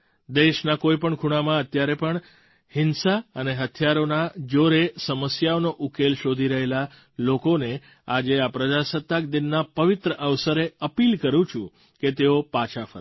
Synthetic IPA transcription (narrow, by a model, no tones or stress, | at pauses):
d̪eʃnakoipəɳkʰuɽ̃amãət̪jaɾepəɳ | hɪnsaəneɦət̪ʰjaɾonad͡ʒoɾesəməsjaonoʔukelʃod̪ʱiɾəɦela | lokone | ad͡ʒeapɾəd͡ʒasət̪ːak̚d̪ɪnːapəʋɪt̪ɾəʔəʋsəɾeəpilkəɾũt͡ʃʰũ | ket̪eopat͡ʃʰafʰə̰ɾ